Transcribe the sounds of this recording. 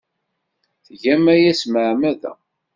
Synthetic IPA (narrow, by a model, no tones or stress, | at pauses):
θʝæmæjæsməʕmæðæ̰